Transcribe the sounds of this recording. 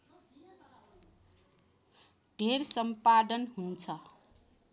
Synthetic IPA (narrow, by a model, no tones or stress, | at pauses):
ɖʱeɾsʌmpad̪ʌnɦunt͡sʰʌ